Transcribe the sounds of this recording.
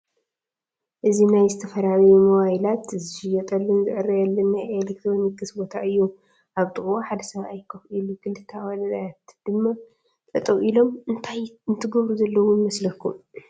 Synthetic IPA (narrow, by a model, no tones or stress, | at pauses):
ʔɨzinajzɨt̪ʰɐfɐɾaβjumowajlat̪zɨʃɪjɛt̪ʼɐlːɨnzɨʔɨɾɐjɛlːɐnːajelek̚t̪ʰɾo̞nikɨsbo̞t̪ʰaʔɨjːu | ʔaβt̪ʼɨxʼwoħad̪ɐsɐβaajkʰɐfʔiluɡɨlɨt̪ʰawalɐzajat̪d̪̥ɨmːa | t̪ʼɐt̪ʼɐwʔilo̞mɨnt̪ʰajɨnt̪ʰɨɡɐβɾuzɐlːɐwujmɐslɐkʰːum